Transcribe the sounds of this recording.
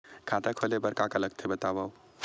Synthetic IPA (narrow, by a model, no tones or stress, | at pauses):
kʰat̪akʰolebəɾkakaləɡ̚t̪ʰebət̪abaw